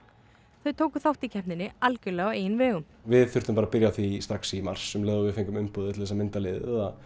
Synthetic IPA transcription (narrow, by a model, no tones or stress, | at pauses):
θœɥt̪ʰoːwkʏθawht̪icʰɛhnɪnːɪalcʏlːɛɣɔeːjnvɛːɣʏm | vɪðθʏɾ̥t̪ʏmpaːɾapɪɾjaθvist̪ɾaksimaɾ̥sːɛmlɛːðʏvɪðfejŋkʏmʏmpɔðɪt̪ʰɪθɛsamɪnt̪alɪːðɪɛða